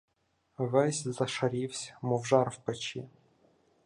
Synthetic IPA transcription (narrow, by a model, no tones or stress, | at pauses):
ʋɛsʲzɐʃɐɾʲiwsʲmɔwʒɑrwpet͡ʃḭ